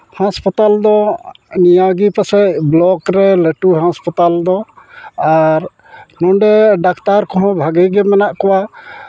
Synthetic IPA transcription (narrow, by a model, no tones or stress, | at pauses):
hãspat̪ald̪ɔnijawɡipasɛʔblɔkɾɛleʈuɦãspat̪ald̪ɔaɾ | nɔɖɛɖakt̪aɾkɔɦɔ̃bʱaɡəjɡɛmɛnaʔkɔwa